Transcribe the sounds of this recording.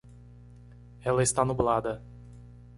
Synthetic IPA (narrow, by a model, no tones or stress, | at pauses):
ɛlɐɪst̪anublad̪ɐ